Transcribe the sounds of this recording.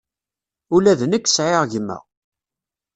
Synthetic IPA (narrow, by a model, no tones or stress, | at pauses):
ulæðnəkːsʕɪʁʝəmːæ̰ʁ